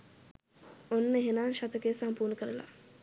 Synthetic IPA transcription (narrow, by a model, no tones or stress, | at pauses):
onːəeɦenaːŋʃat̪əkesampuːnəkəɾəla̰